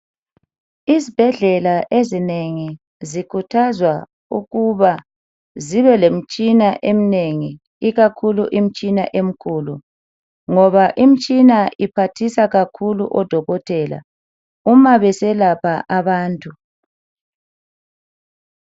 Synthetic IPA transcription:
izib̥ʱɛɮɛlaʔezineŋi | zikʰutʰazwa | uɣuβa | ziβɛlem̩t͡ʃʼinaʔem̩neŋi | iɣakʰuluʔim̩t͡ʃʼina̰ʔem̩kʰuːlu | ŋɔβaʔim̩t͡ʃʼinaipʰatʰisaɣakʰulṵʔɔd̥ʱɔɣɔtʰɛla̰ | umaβɛsɛlapʰaʔaβaːntʼu

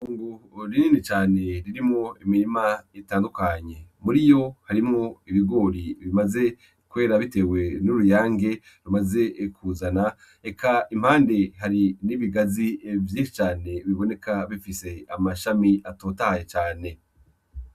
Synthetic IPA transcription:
uːŋɡuɾiniːnit͡ʃaːne̞ɾiɾimŋoimiɾimaitaːndukaɲe̞muɾijo̞haɾimŋo̞iβiɡo̞ːɾiβimaze̞ | kwe̞ːɾaβite̞we̞nuɾujaːŋɡe̞ | ɾumaze̞kʰuːzana | e̞kʰaim̥haːnde̞haɾiniβiɡazievjiːnʃi̥t͡ʃaːne̞βiβo̞ne̞kʰaβifise̞amaʃamiʔatoːtahajet͡ʃaːne̞

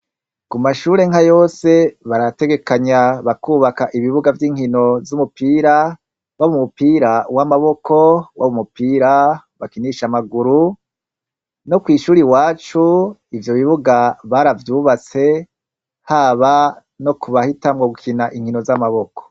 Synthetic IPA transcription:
kumaʃuːɾe̞ŋhajo̞ːse̞βaɾate̞ɡe̞kaɲaβakuːβakaʔiβiβuɡavjiːŋhino̞zumupiːɾa | waβumupiːɾawamaβo̞kʰo̞waβumupiːɾaβakiniʃamaɡuɾu | no̞kwiːʃuːɾiwaːt͡ʃuivjo̞βiβuɡaβaɾavjuːβat͡se̞ | haːβa | no̞kuβahitamɡoɡukʰinaʔiŋhino̞zamaβo̞ko̥

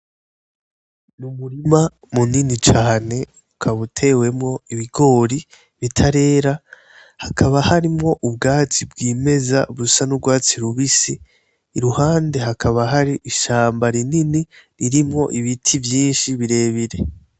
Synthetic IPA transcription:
numuɾima | muninit͡ʃaːne̞ | ukʰaβutʰe̞ːwe̞mŋo̞iβiɡo̞ːɾi | βitʰaɾe̞ːɾa | hakʰaβahaɾimŋo̞ʔubɡaːt͡sibɡiːme̞za̰βusanubɡwaːt͡siɾuβisiː | ɾuhaːnde̞ɦakʰaβaɦaɾiʔiʃaːmbaɾininiɾiɾimŋo̞ʔiβitʰivjiːnʃiβiɾe̞βiɾe̞

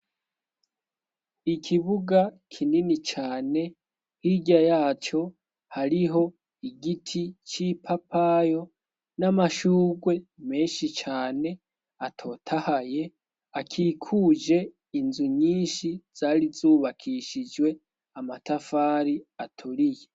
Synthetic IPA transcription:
ikʰiβuɡakʰininit͡ʃaːne̞ | hiɟajaːt͡ʃo̞ | haɾiɦo̞ | iɡitʰit͡ʃipʰapʰajo̞ | namaʃuːɡwe̞me̞ːnʃit͡ʃaːne̞ | atʰo̞ːtʰahaje̞ | akʰiːkʰuːd͡ʒe̞ | inzuɲiːnʃiz̥aːɾizuːβakʰiʃid͡ʒwe̞ | amatafaːɾiatʰuɾije

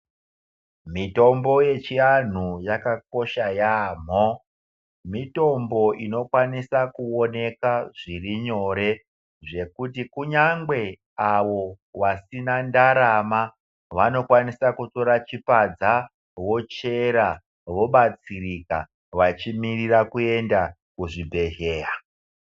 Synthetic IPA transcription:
mito̞mbo̞je̞t͡ʃian̤ujakako̞ʃajaːm̤o | mito̞mbo̞ʔino̞kwanisakuo̞ne̞kaʐiriɲo̞ɾe̞ | ʐe̞kut̬ikuɲaŋɡwe̞ | aʋo̞ | ʋasinandaɾama | ʋano̞kwanisakuto̞ɾat͡ʃipad͡za | ʋo̞t͡ʃe̞ɾa | ʋo̞ɓat͡sirika̰ | ʋat͡ʃimirirakue̞nda | kuʐibʱe̞ɦeːra

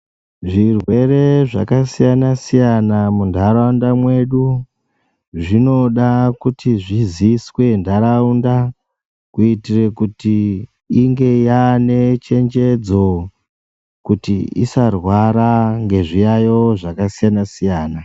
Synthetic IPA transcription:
ʐirwe̞re̞ʐakasijanasijanamundʱaɾaundamwe̞ɗu | ʐino̞ɗakutiʐiziswe̞ndʱaɾaunda | kuitire̞kutiː | ŋɡe̞jane̞t͡ʃe̞nd͡ʒe̞d͡zo̞ | kutiḭsarwaɾaŋɡe̞ʐijajo̞ʐakasijanasijaːna

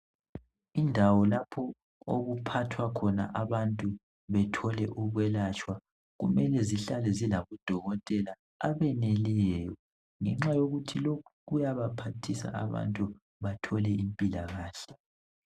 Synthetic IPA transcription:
indʱawɔlapʰɔ | o̰ɣupʰatʰwakʰɔna̰ʔaβantʼu | βɛtʰɔlɛʔuβwɛlat͡ʃʼwa | ɣumɛlɛziɬalɛzilaβud̥ʱɔɣɔtʼɛla | aβɛnɛlɛːjɔ | ŋɛŋ͡ǁajoɣutʰilokʰuɣujaβapʰatʰisa̰a̰βa̰ntʼu | βatʰɔlɛimpʼilaɣaːɬɛ

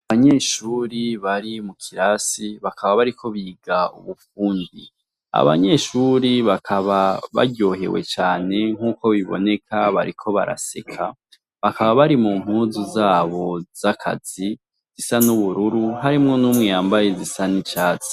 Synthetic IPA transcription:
aβaɲe̞ʃuɾiβaɾimukʰiɾasiβakʰaβaβaɾikʰo̞βiːɡaṵβufuːndi | a̰βa̰ɲe̞ːʃuɾiβakʰaβaβa̰ɟo̞ːhe̞̰we̞̰t͡ʃaːne̞ŋ̥uːko̞βiβo̞̰ne̞kʰaβa̰ɾikʰo̞βa̰ɾa̰se̞̰kʰa | βakaβaβaɾimum̥huːzuzaːβo̞z̥akʰa̰z̥i | z̥isanuβuɾuɾuɦaɾimŋo̞nuːmŋijaːmbajezisanit͡ʃaːt͡se̥

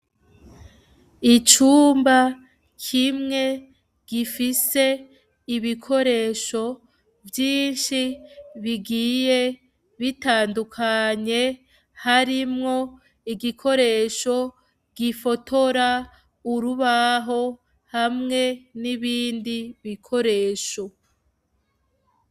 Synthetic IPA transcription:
it͡ʃuːmba | kʰimŋe̞ | ɡ̥ifise̞ | iβikʰo̞ɾe̞ːʃo̞ | vjiːnʃiβiɡiːje̞ | βitaːndukʰaɲe̞ | haɾimŋo̞ | iɡikʰo̞ɾe̞ːʃo̞ | ɡ̥ifo̞tʰo̞ɾa | uɾuβaɦo̞ | hamŋe̞niβiːndiβikʰo̞ɾe̞ːʃo̞

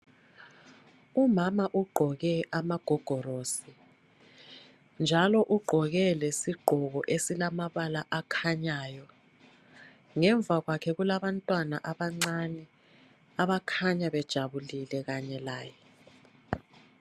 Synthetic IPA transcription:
umamaʔuɡ͡ǃʱɔɣɛʔamaɡ̥ʱɔɡ̥ʱɔroːsi | nd͡ʒʱalɔʔuɡ͡ǃʱɔɣɛlesiɡ͡ǃʱɔɣɔʔesilamaβalaʔakʰaɲaːjɔ | ŋɛɱb̪vʱaɣwakʰɛɣulaβantʼwanaʔaβaŋ͡ǀanɛ | aβakʰaɲaβɛd̥ʒ̥ʱaβulilɛɣaɲɛlaːjɛ

